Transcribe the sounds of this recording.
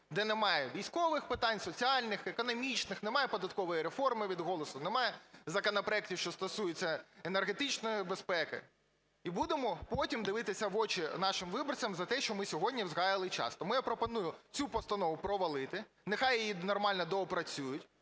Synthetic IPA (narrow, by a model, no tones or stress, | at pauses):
d̪ɛnɛmɑjɛʋʲijsʲkɔʋɪxpɪt̪ɑnʲsɔt͡sʲiɑlʲnɪxekɔnɔmʲit͡ʃnɪxnɛmɑjɛpɔd̪ɐt̪̚kɔʋɔjiɾefɔrmɪʋʲid̪ɦɔlˠɔsʊnɛmɑjɛzɐkɔnɐpɾɐɛk̚tʲiwʃt͡ʃɔst̪ɔsujet͡sʲːɐenerɦet̪ɪt͡ʃnɔjibespɛkɪ̰ | ibud̪ɪmɔpɔtʲimd̪ɪʋɪt̪ɪsʲɐʋɔt͡ʃɪnɑʃɪmʋɪbɔrt͡sʲɐmzɐt̪ɛʃt͡ʃɔmɪsʲɔɦɔdʲnʲiʋzɣɑjɪlˠɪt͡ʃɑ̰st̪ɔmɪjɐpɾɔpɔnujʊt͡sʲupɔst̪ɐnɔʋʊpɾɔʋɐlˠɪt̪ɪ | nexɑjjijinɔrmɑlʲnɔd̪ɔːpɾɐt͡sʲujʊtʲ